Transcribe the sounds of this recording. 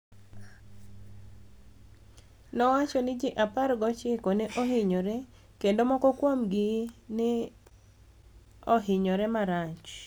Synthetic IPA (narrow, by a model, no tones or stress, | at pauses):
nɔwat͡ʃɔnɪd͡ʒɪʔapaɾɡɔt͡ʃɪkoneʔohɪɲoɾe | kendomɔkɔkwomɡɪnɪ | oɦɪɲɔɾɛmaɾat͡ʃ